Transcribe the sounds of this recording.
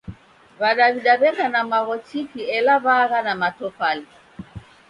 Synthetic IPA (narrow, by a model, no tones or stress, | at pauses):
βaɗaβiɗaβɛkanamaɣɔt͡ʃikiɛlaβaɣanamatɔfali